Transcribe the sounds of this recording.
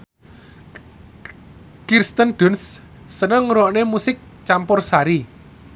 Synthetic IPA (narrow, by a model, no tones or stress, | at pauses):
kirst̪ənɖ̪̥ʊ̤nsː | ənəŋɾɔʔnemusɪk̚ | t͡ʃampʊrsaɾi